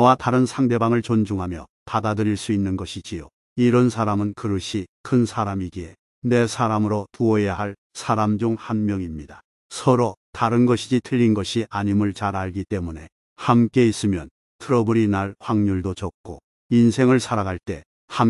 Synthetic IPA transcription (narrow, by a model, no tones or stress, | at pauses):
ʌwataɾɯnsʰaŋde̞baŋɯɭt͡ɕond͡ʑuŋɦamjʌ̰padadɯɾiɭs͈uinːɯnɡʌɕʰit͡ɕijo | iɾʌnsʰaɾamɯnkɯɾɯɕʰikʰɯnsʰaɾamiɡie | ne̞sʰaɾamɯɾotuʌjaɦaɭ | sʰaɾamd͡ʑuŋhanmjʌŋimɲida | sʰʌɾotaɾɯnɡʌɕʰid͡ʑitʰɯʎːinɡʌɕʰiʔaɲimɯɭt͡ɕaɾaɭɡit͈e̞mune̞ | hamk͈e̞is͈ɯmjʌn | tʰɯɾʌbuɾinaɭɸwaŋɲuɭdot͡ɕʌk̚k͈o | insʰe̞ŋɯɭsʰaɾaɡaɭt͈e̞ | ham